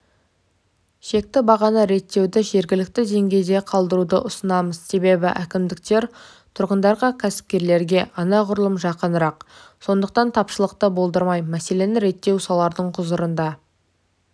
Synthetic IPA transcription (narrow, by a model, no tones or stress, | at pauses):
ʃe̞k̚t̪ɪbɑʁɑnəɾe̞t̪ːe̞wd̪ɪʒe̞ɾɡʲɪlɪk̚t̪ɪd̪e̞ŋɡʲe̞jd̪e̞qʰɑlˠd̪əɾud̪ə̰ʔʊsənɑməzse̞be̞bɪ̰ʔækʲɪmd̪ɪk̚t̪e̞ɾ | t̪ʰʊɾʁənd̪ɑɾʁɑkʲʰæsɪ̥p̚kʲe̞ɾle̞ɾɡʲe̞ʔɑnɑʁʊɾəlˠəmʒɑqənɾɑqso̞nd̪əq̚t̪ɑnt̪ʰɑpʃəlˠəq̚t̪əbo̞lˠd̪əɾmɑjmæse̞le̞nɪɾe̞t̪ːe̞wsɑlˠɑɾd̪əɴqʰʊzəɾənd̪ɑ